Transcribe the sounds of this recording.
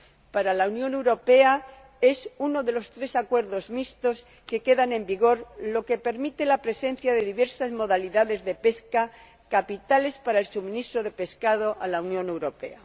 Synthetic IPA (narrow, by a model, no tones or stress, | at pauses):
paɾalaunjõne̞wɾo̞pe̞a | e̞suno̞ðe̞lo̞st̪ɾe̞sakwe̞ɾðo̞zmist̪o̞s | ke̞ke̞ðanẽ̞mbiɣ̞o̞ɾlo̞ke̞pe̞ɾmit̪e̞lapɾe̞sẽ̞n̟θjaðe̞ðiβe̞ɾsazmo̞ðaliðaðe̞zðe̞pe̞ska | kapit̪ale̞spaɾaelsumĩnist̪ɾoðe̞pe̞skaðoʔalawnjõne̞wɾo̞pḛa